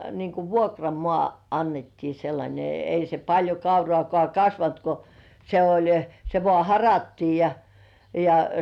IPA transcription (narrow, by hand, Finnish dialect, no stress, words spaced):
niːŋ ku ʋuokrɑmŏɑˑ ɑnːetːiː selːɑnʲe ei se pɑlʲjo kɑurŏɑˑkŏɑˑ kɑsʋɑnt ko se olʲ se ʋŏɑˑ hɑrɑtːiː jɑ jɑ